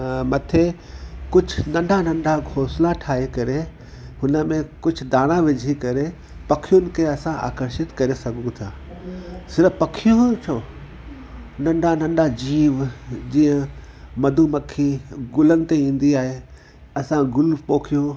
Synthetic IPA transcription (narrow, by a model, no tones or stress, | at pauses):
mɐt̪ʰe | kʊd͡ʑʱʊnɐ̃ɳɖʱanɐ̃ɳɖʱaɡʱoːslaʈʰaːɦekɐɾe | hʊnə̆mẽkʊd͡ʑʱʊ̆d̪aːɽ̃ãʋɪd͡ʑʱikɐɾe | pɐkʰijʊnɪ̆kʰeɐsãʔa̰ːkəɾʃɪt̪kɐɾesɐɡʱũt̪ʰaː | sɪɾpɐkʰijũt͡ɕʰoː | nɐ̃ɳɖʱanɐ̃ɳɖad͡ʑiːʋd͡ʑĩːə̃ | mɐd̪ʱumɐkʰiɡʊlənɪ̆t̪eĩːn̆d̪iaːɦe | ɐsãɡʊlpoːkʰijũ